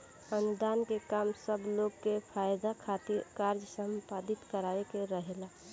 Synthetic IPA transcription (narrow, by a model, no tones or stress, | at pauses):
ənd̪aːnkekaːmsəbloɡkepʰaːjd̪akʰat̪iɾkaːɾd͡ʒsə̃mpaːd̪ɪt̪kəɾaːekeɾəɦela